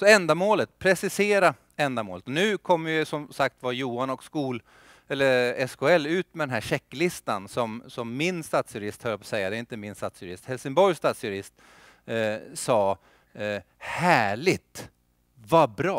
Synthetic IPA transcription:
sɔɛnd̪amoːlət̪̚pʰɾɛsɪseːɾa | ɛnd̪amoːlət̪ɔnʉ̟ːkʰɔmːəɾjʏsɔmsak̚t̪vajuːanɔkskuːl | ɛlːəɾɛskʰʊɛlːʉ̟ːt̪mɛd̪ɛnɦæːɕɛkːlɪst̪ansɔmsɔmːɪnst̪at̪sjɵɾɪst̪hœːɾpɔsɛjːad̪ɛːɾɪnt̪əmɪnst̪at̪sjɵɾɪst̪hɛlsɪŋbɔɾjst̪at̪sjɵɾɪst̪ | sɑː | hæːɭɪt̪ | vabɾɑː

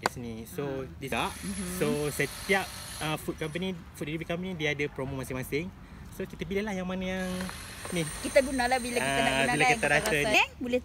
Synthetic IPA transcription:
jɛsnisodisaʔsosət̪iap̚əfut̚kamp̬ənifut̪̚iibikampənidiadəpɾomõmasɪŋmasɪŋ | sokit̪əbilalahjaŋmanajaŋ | nĩkit̪aɡunalabilakiaaabilakit̪aɾat̪əbulɛ

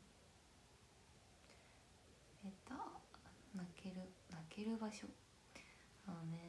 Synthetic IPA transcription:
et̪a | nakeɾɯnake̞ɾɯ̟baɕo | one

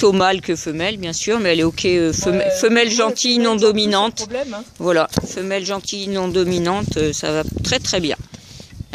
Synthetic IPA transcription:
t̪omalkəfəmɛlbjɛ̃syːʁmɛɛlɛokʰʲɛøfəmɛfəmɛlʒɑ̃t̪ʰinɔ̃d̪ɔminɑ̃t̪vwalafəmɛlʒɑ̃t̪ʰinɔ̃d̪ɔminɑ̃t̪øsa̰vat̪χɛt̪χɛbjɛ̰̃

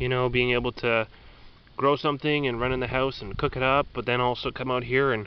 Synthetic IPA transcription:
jɨñoʊbiɪ̃ŋeɪbl̩ˠtʰɨ | ɡ̥ɹoʊsʌ̃mθɪ̃ŋɨ̃nɹʌ̃ñɨ̃nðɨhaʊsn̩kʰʊkɨɾʌp̚b̥ʌt̪̚ðɨ̃ñɔlˠsoʊkʰʌ̃maʊt̚ɦiɹɨ̃n

